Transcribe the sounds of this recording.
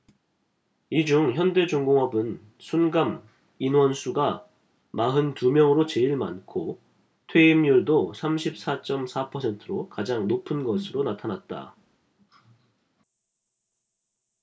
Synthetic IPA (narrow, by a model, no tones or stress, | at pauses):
id͡ʑuŋçjʌnde̞d͡ʑoŋɡoŋɦʌbɯn | sʰunɡam | inwʌnsʰuɡa | maɦɯntumjʌŋɯɾot͡ɕeiɭmankʰo | tʰwe̞imjuɭdosʰamɕʰip̚s͈at͡ɕ͈ʌmsʰapʰʌsʰe̞ntʰɯɾokad͡ʑaŋnopʰɯnɡʌsʰɯɾonatʰanat̚t͈a̰